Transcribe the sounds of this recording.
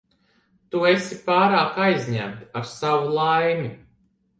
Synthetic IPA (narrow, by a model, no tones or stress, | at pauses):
t̪uesipaːɾaːkajzʲɲæ̰mt̪aɾsawulˠajmʲi